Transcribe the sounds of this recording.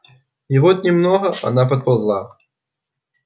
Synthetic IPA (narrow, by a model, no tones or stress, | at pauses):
ivɔt̪nʲɪmnɔɣɐa̰nap̬ɐt̪̚pazlˠa̰